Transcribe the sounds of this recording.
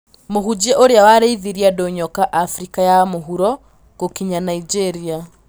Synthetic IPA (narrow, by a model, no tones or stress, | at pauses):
mohud͡ʑiɛʔoɾeawaɾeiðiɾiadoɲɔkaʔafɾikajamoɦuɾɔ | ɡ̥okiɲanaid͡ʒeɾia